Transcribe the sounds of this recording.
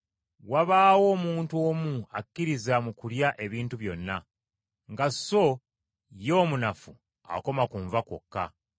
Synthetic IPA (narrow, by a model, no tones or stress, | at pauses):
waβaːwo̞ːmuːntuo̞ːmuakːiɾizamukuljaʔe̞βiːntuβjo̞nːa | ŋɡaso̞ | jo̞ːmunafu | a̰ko̞makuːɱvako̰kːa̰